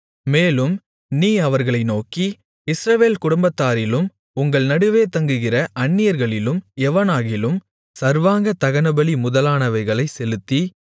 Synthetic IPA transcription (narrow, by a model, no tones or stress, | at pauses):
meːlɯm | niːɐʋɐɾɣɐɭɐɪnoːki | ɪsɾɐʋeːlkʊɽʊmbɐt̪ːaːɾɪlɯm | ʊŋɡɐɭnɐɽɯʋeːt̪ɐŋɡɯɣɪrɐʔɐɳːɪjɐɾɣɐɭɪlɯmɛʋɐnaːɣɪlɯm | sɐɾʋaːŋɡɐt̪ɐɣɐnɐbɐɭimʊðɐlaːnɐʋɐɪɣɐɭɐɪsɛlɯt̪ːi